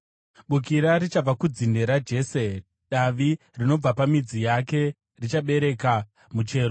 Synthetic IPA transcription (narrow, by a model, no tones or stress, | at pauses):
ɓukiɾaɾit͡ʃab͡vakud͡zinde̞ɾad͡ʒe̞ːse | ɗaʋi | rino̞b͡vapamid͡zijake̞ | rit͡ʃaɓe̞ɾe̞ka | mut͡ʃe̞ːro